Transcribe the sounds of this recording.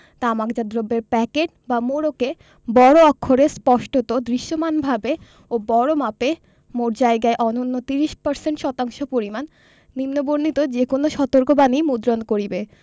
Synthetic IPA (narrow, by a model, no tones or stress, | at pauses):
t̪aamakd͡ʑad̪ɾobːeɾpɛkeʈ̚ | bamoɾoke | bɔɽoɔkʰːoɾespɔʃʈot̪od̪ɾiʃːomanbʱabe | obɔɽomape | moɾd͡ʑaeɡaeʔɔnonːot̪iɾiʃpaɾseɳʈʃɔt̪aŋʃopoɾimanː | imnoboɾnit̪od͡ʑekonoʃɔt̪oɾkobanimud̪ɾonkoɾibe